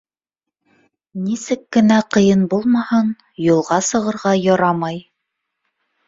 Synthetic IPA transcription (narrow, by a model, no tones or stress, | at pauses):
nisɘkːɘ̆næqɤ̆jɤnbulˠmɑhɤn | julˠʁɑsɤ̆ʁɤ̆ɾʁɑjɒɾɑmɑj